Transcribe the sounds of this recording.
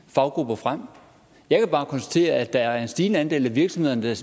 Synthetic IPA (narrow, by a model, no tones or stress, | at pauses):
fɑ̈ʊɡ̥ʁub̥ɐfʁam̰ | jɑ̈ɪkʰæb̥ɑ̈ːkʰɒnsd̥æ̥t͡sʰe̝̰ːɐʔæd̥ɑ̈æɐɐe̝nsd̥iːnəænd̥e̝̰ːlæʋiɐɡ̥sɒ̽mhe̝ð̞̰ˠnəd̥æs